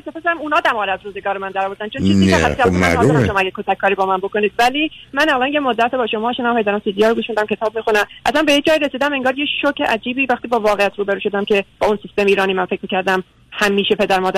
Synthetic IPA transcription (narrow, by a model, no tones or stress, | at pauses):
et̪ʰːefɑæmunɒːd̪æmɒːɾæzɾuːzeɡɒːɾomænd̪æɾɒːvoɾd̪ænt͡ʃʰont͡ʃiziææiælsæ̰ɾɒæmʃoɒːæɡʲekʰot̪ʰækʰːɒːɾibɒːmænboko̞niːd̪væliːmænælɒːnje̞mod̪ːæt̪ebɒːʃo̞mɒːʃenæmpʰed̪æɾæmsid̪ijɒːɾoɡuːʃmid̪æmcʰe̞t̪ʰɒːb̚mixunæmʔæsænbejed͡ʒɒːiɾe̞siːd̪æme̞ŋɡɒːɾjeʃocʰeʔæd͡ʒiːbiːvæxt̪iːbɒːvɒːɣejæt̪ʰɾuːbe̞ɾuːʃo̞d̪æmcʰe̞b̥ɒːunsist̪e̞miːɾɒːniːmænfe̞c̚ʰʲmiːcæɾd̪æm | hæmːiːʃe̞pʰe̞d̪æɾmɒːd̪æ